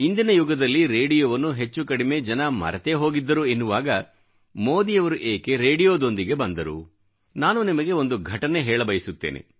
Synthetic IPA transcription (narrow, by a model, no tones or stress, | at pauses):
ind̪inɐjuɡɐd̪ɐlːiɾeːɽijoːʋɐnːuɦe̞t͡ʃːukɐɽime̞d͡ʒɐnɐmɐ̰ɾɐt̪eɦo̞ːɡid̪ːɐɾuenːuʋaːɡɐ | mo̞ːd̪ijɐʋɐɾuʔeːke̞ɾeːɖijoːd̪o̞nd̪iɡe̞bɐnd̪ɐɾṵ | naːnunimɐɡe̞o̞nd̪uɡʱɐʈɐne̞ɦɛːɭɐbɐjisut̪ːe̞̰ːnʔḛ